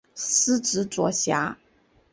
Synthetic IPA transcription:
sɹ̩˥ʈ͡ʂɻ̩˧˥t͡swɔ˧˥ɕja̰˧˥

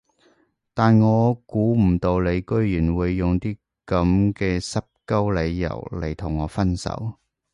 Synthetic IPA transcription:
t̪aː˨nŋɔː˨˧kuː˨˥m̩˨˩t̪o˧wle˨˧jkɵ˥ɥjyː˨˩nwuː˨˧jːʊ˨ŋt̪iː˥ | kɐ˨˧˥mkɛː˧sɐ˥p̚kɐ˥wle˨˧jːɐ̰˨˩wle˨˩jt̪ʰʊ˨˩ŋːɔː˨˧fɐ˥nsɐ̰˨˥w

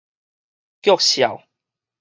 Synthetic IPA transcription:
kjɔ˥˧˨k̚ɕja˨˩w

